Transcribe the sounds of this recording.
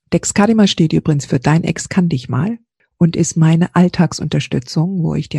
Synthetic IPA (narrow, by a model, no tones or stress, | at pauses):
d̥ɛkskʰadimaʃteːtʔyːbʁɪɡŋ̩sfyːɐdaɪnʔɛ̰kskʰandɪçma̰ːl | ʔʊntʔɪstmaɪnəʔaltʰaːksʔʊ̰ntɐʃtʏt͡sʊŋvo̰ːɪçd̥iː